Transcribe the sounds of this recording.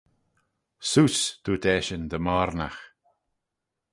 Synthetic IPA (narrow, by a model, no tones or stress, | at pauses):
suːsd̪̥uːt̪ɛːʃənd̪əmɔɾna̰x